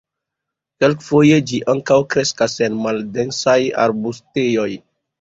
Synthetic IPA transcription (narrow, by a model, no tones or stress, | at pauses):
kelkfo̞je̞d͡ʒiʔaŋkawkɾe̞skase̞nmalde̞nsaja̰ɾbustejo̞j